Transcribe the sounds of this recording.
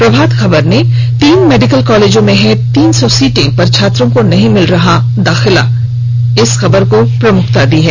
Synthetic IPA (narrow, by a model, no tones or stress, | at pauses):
pɾɐbʱaːd̪xɐbəɾne | t̪iːnmeːɖɪkəlkɔːleːd͡ʒõmẽɦɛ̃t̪iːnsɔsiːʈɪ̃ŋ̚pɐɾt͡ʃʰaːt̪ɾõkonɐɦĩmɪlɾɐɦa | d̪aːxɪla | ɪsxɐbəɾkopɾɐmʊkʰt̪ad̪iːɦɛː